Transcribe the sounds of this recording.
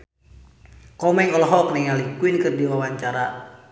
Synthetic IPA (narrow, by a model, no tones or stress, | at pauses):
kɔmɛŋɔlɔɦɔk̚najalikuinkɨrdiwawaɲt͡ʃaɾa